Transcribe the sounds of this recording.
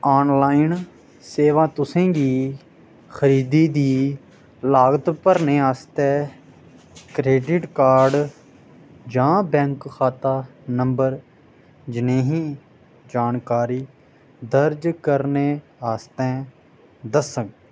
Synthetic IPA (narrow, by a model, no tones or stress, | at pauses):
aːnlaːin | seːʋãːt̪ʊsẽːɡiː | xəɾiːd̪iːd̪iː | laːɡət̪pəɾneːaːst̪ɛː | kɾeːɖɪʈkaːɾɖ | d͡ʒãːbɛ̃ːŋkxʰaːt̪aːnəmbəɾ | d͡ʒɪnẽːɦĩː | d͡ʒaːnkaːɾiː | d̪əɾd͡ʒkəɾneː | aːst̪ɛ̃ː | d̪əsəŋɡ